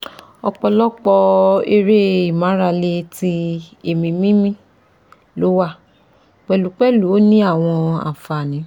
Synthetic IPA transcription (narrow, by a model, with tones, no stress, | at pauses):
ɔ˧k͡pɔ˧lɔ˦k͡pɔ˧e˧ɾe˦i˦˨mã˨˦ɾa˧le˧ti˧e˨mĩ˧mĩ˦mĩ˦ | lo˨˦wa˦˨ | k͡pɛ˨lu˨˦k͡pɛ˦lu˨˦o˦nĩ˦a˦˨w̃ɔ̃˧a̰˨fa˨nĩ˨˦